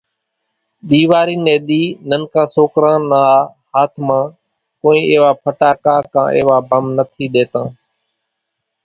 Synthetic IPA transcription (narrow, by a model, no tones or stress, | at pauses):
ɗ̪iːʋaːɾiːneːɗ̪iːnənkãːsoːkɾãːnəːhaːt̪ʰmãː | koːĩːʔɪːʋaːpʰəʈaːkaːkã̰ːʔḛːʋaːbʱəmnət̪ʰiːɗ̪eːt̪ãː